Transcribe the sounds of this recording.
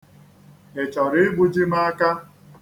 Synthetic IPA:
e˨t͡ʃɔ˨ɾɪ˦ɡ͡bu˦d͡ʒi˦ma˦a˦ka˦

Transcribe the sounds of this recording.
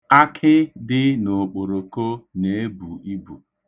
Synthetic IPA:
a˦kʰɪ˦dɪ˦no˨k͡po˨ɾo˨ko˦ne˨˦bu˨i˦bṵ˨

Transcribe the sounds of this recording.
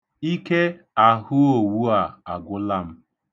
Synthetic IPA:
i˦ke˦ | a˨hʊ˦o˨wu˦a˨a˨ɡʷʊ˦la˦m̩˦

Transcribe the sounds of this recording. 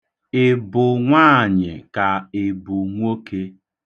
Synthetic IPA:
ɪ˦˨bʊ˨ŋʷaː˦˨ɲɪ̰˨ka˨ɪ˨bʊ˨ŋʷo˦ke˦

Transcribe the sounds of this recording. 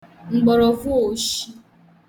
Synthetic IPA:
ŋ͡m̩˨ɡ͡bɔ˨ɾɔ˨vu˦o˨ʃi˦

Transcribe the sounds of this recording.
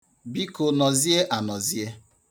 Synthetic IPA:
bi˦ko˨nɔ˨zi˦e˦ʔa˨nɔ˨zi˦e˦

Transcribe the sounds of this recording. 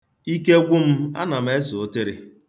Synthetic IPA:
i˦ke˦ɡʷʊ˦m̩˦a̰˦na˨m̩˨e˦sʊ˨o˦te˦ɾɪ˨

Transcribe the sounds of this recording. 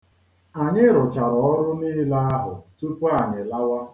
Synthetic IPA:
a˨ɲɪ˦ɾʊ˨t͡ʃa˨ɾɔ˨ɔ˦ɾʊ˦niː˦la˦a˦ɦʊ̰˨tu˦pu˦a˦˨ɲɪ˨la˦wa˦

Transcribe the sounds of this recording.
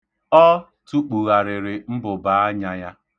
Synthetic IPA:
ɔ˦ | tu˦k͡pu˨ɣa˨ɾɪ˨ɾɪ˨m̩˦bʊ˨ba˨˦a˦ɲa˦ja˦

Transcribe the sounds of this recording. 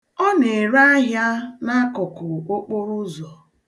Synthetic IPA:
ɔ˦ne˨ɾa˦a˦ɦja˦na˦kʊ˨kʊ˨o˦k͡po˦ɾu˦zɔ˨

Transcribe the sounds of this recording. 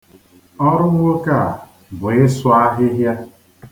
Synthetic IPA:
ɔ˦ɾʊ˦ŋʷʊ˦ka˦˨ | bʊ˨ɪ˦sʊ˦a˦ɦɪ˦ɦja˦

